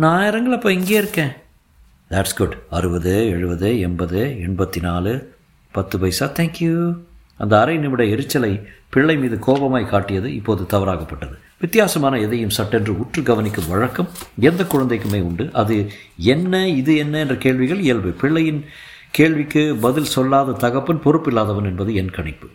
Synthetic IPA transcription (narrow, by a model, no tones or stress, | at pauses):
naːjɐɾɐŋɡɐɭɐpːoːɪŋɡeːɪɾɯkːẽː | d̪æʈsɡʊɖɐɾɯbɐðɯɛɻɯbɐðɯɛɳbɐðɯɛɳbɐt̪ːinaːlɯ | pɐt̪ːɯpɐɪsaːt̪ʰɛːŋkju | ɐnd̪ɐːɾɐɪnɪmɪɽɐɪɾɯt͡ʃːɐlɐɪpɪɭːɐɪmiːðɯkoːbɐmaːjkaːʈːɪjɐðɯɪpːoːðɯt̪ɐʋɐɾaːɣɐpːɐʈːɐðɯ | ʋɪt̪ːɪjaːsɐmaːnɐɛðɐjɯmsɐʈːɛndrɯʊʈrɯɡɐʋɐnɪkːɯʋɐɻɐkːɐmɛnd̪ɐkːʊɻɐnd̪ɐɪkːɯmeːʊɳɖɯʔɐðɯɛnːɐɪðɯɛnːɐɛndrɐkeːɭʋɪɣɐɭɪjɐlbɯpɪɭːɐjɪn | keːɭʋɪkːɯbɐðɪlsɔlːaːðɐt̪ɐɣɐpːɯnpɔrɯpːɪlːaːðɐʋɐnɛnbɐðɯɛnkɐɳɪpːɯ̥